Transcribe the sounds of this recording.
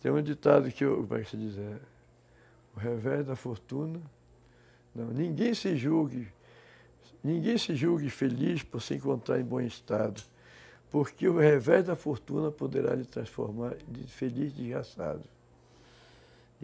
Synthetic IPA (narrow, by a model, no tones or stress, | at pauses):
t̪ẽj̃ũed͡ʒ̪it̪ad̪ʊkɪʊkomɛ̰ksɪd͡ʒizeɾ | ʊɦevɛʒd̪ɐfoɾt̪ũnɐ | nɐ̃w̃nĩɡẽj̃sɪʒuɡɪ | nĩɡẽj̃sɪʒuɡɪfelispoɾsɪẽkõnt̪ɾa̰ɾẽbõist̪ad̪ʊ | poɾkɪʊhevɛʒd̪ɐfoɾt̪ũnɐpod̪eɾa̰lɪt̪ɾɐ̃sfo̰ɾmaɾd̪ɪfelizd̪izɡasa̰d̪ʊ